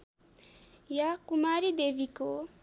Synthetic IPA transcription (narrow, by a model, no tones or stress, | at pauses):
jakumaɾid̪ebiko